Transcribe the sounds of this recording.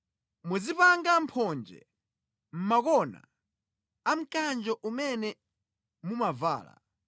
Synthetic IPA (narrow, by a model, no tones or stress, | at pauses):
muzipaŋɡam̩pʰɔnd͡ʒɛ̰ | m̩makɔna̰ | am̩kand͡ʒɔʔumɛnɛ | mumava̰ːla̰